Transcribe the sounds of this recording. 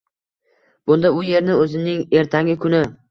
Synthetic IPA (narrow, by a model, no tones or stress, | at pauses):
b̥ʊnd̪aʊje̞ɾnɪɵzɪnɪŋe̞ɾt̪ʰaŋʲɪkʰʊnɪ